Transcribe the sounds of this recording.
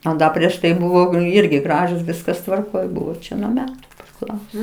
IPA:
ɐ ˈdɐ pʲrʲiɛʃ ˈtɐɪ bʊˈʋɐʊ ˈɪrʲɡʲɪ ˈɡrɑːʒʊs ˈʋʲɪskɐs tʋɐrˈkoːj ˈbʊʋoː ˈt͡ʃʲɛ nuɔ ˈmʲæːtʊ pʲrʲɪˈklˠɐʊsoː

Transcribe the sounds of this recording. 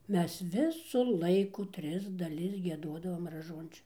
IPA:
ˈmʲɛs ˈʋʲɪsʊ ˈlˠɐɪkʊ ˈtʲrʲɪs dɐˈlʲɪs ɡʲiɛˈduɔdɐʋoːm rɐˈʒuɔnʲt͡ʃʲoː

